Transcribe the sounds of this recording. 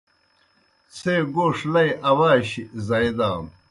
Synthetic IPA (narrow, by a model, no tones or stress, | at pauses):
t͡sʰeːɡoːʂlɐjʔɐwaːɕizɐjd̪aːm